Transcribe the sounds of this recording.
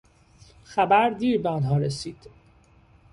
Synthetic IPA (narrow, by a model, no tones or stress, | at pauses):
xæbæɾd̪iːɾbeɒnɦɒːɾesiːd̪̥